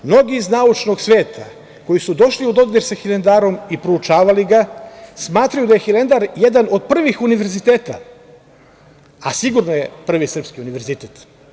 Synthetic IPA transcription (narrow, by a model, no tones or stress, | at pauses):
mno̞ɡiːznaut͡ʃno̞ɡsʋe̞ːt̪ʰa̰ | ko̞jisud̪oʃliod̪o̞ɡlʲeɾsaxilend̪aːɾo̞mipɾout͡ʃaːʋaliɡasmaːt̪ɾajud̪aje̞xile̞nd̪aɾjed̪ano̞d̪̚pr̩ʋixuniʋe̞ɾzit̪eːt̪a̰ | asiɡuɾnojepr̩ʋisr̩pskiuniʋe̞ɾzit̪eːt̪